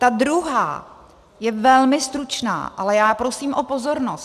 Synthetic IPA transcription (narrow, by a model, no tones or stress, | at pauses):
t̪ad̪ɾuɦa̰ː | jɛvɛlmɪst̪ɾut͡ʃna̰ːʔa̰lɛjaːpɾo̞siːmʔo̞po̞zo̞ɾnos